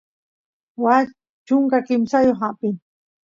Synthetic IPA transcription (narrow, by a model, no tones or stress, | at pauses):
wa | t͡ʃʊŋkakɪmsajoχapɪn